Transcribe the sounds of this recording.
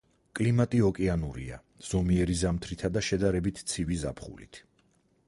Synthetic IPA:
kʼlimat̪ʼiɔkʼɛanuɾḭa̰ | z̥ɔmiɛɾizamt̪ʰɾit̪ʰad̪aʃɛd̪aɾɛbit̪ʰt̪sʰiviza̰pʰχṵlḭt̪ʰ

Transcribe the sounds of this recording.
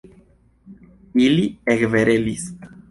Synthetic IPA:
iliekveɾelis

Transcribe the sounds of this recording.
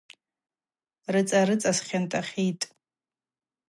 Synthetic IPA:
rɨt͡sʼaɾɨt͡sʼasχʲantʼaχʲitʼ

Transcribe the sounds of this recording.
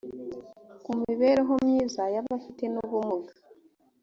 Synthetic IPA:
kumiβe̞ɾeɦo̞mɲiːzajaβafite̞nuβumuɡḁ

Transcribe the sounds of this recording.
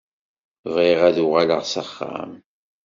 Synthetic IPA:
vʁiʁæðʊʁalə̰ʁsəχːa̰m

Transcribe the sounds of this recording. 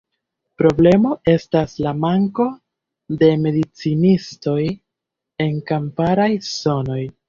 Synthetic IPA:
pɾo̞ble̞mo̞e̞staslamaŋko̞ | de̞me̞dit͡sinisto̞j | e̞ŋkampaɾajso̞no̞j

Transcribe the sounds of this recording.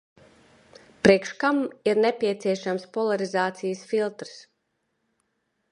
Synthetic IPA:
pɾiɛkʃkamiɾnepʲiɛt̪siɛʃamspɔlˠaɾizaːt̪sijsfilˠt̪ɾs

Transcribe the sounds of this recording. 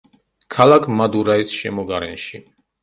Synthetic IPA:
kʰalakʰmad̪uɾaisʃɛmɔɡaɾɛnʃi

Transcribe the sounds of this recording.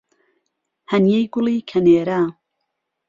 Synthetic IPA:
hɐnjejɡʊliːkʰɐneːɾa

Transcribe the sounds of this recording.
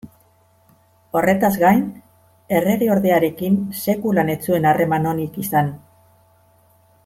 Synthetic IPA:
o̞re̞t̪azɣajn | e̞re̞ɾeo̞ɾðe̞aɾe̞kinse̞kulane̞t͡sue̞nare̞mano̞nikisan

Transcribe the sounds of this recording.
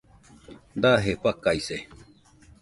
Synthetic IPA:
d̪aːɦepɐkːaise

